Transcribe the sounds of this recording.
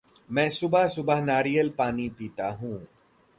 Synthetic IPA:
mɛ̃ːsʊbəɦsʊbəɦnaːɾijəlpaːnipiːt̪aɦũː

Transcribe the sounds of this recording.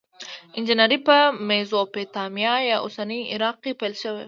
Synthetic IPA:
ɪnd͡ʒɪnaɾipəmezopet̪ɑmjɑjɑʔosanəjɪɾɑq̚kepajlʃəwḛ

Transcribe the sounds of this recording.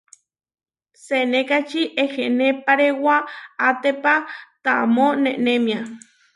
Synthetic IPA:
senekat͡ʃiʔexenepaɾewaat̪epat̪amoneʔnemja

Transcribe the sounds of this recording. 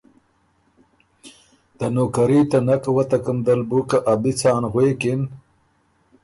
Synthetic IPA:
t̪anoːkaɾiːt̪anakawat̪akəmd̪albukaʔabit͡sɑːnɣweːkɪn

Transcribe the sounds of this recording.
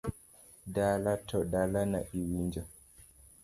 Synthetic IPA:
dalatʰɔɗalana̰ʔiwind͡ʒa

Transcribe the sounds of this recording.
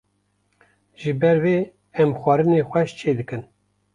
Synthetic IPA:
ʒɨbɛɾweː | ɛmxʷɑɾɨnexʷɛʃt͡ʃʰeːd̪ɨkɨn

